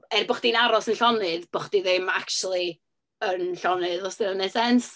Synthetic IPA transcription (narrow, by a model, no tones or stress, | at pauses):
ɛrbɔχd̥inaɾɔsənɬɔnɨðb̥ɔχd̥iðɪmak̚t͡ʃulˠi | ənɬɔnɨðɔsðɪnənɛsɛns